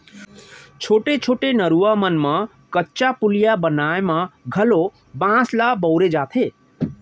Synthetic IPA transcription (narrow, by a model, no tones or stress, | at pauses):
t͡ʃʰoʈet͡ʃʰoʈenəɾuwamənmã | kətːt͡ʃapulijabənaemaɡʱəlo | bãslabʌwɾed͡ʒat̪ʰe